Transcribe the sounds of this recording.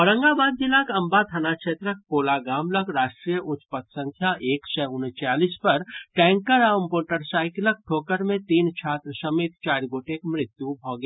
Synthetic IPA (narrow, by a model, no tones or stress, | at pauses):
ɔɾɐ̃ŋɡaːbaːd̪̚d͡ʒɪlakɐmbat̪ʰɐnaːkʃeːt̪ɾək̚poːlaɡaːmləkɾaːʃʈɾijəʔʊt͡ʃpət̪sə̃ŋkʰjaʔeːksɛʊnt͡ʃaːlispɐɾʈɛ̃ːŋkəɾaːʋəmpoːʈəɾsaːɪklək̚ʈʰoːkəɾmẽt̪iːnt͡ʃʰaːt̪ɾəsɐmeːt̪t͡ʃaːɾɡoːʈekmɾɪt̪jubʱɔːɡe